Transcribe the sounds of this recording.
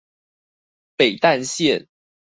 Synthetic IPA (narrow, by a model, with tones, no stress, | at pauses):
pe˨˩ɪt̪a˥˧nɕjɛ˥˨n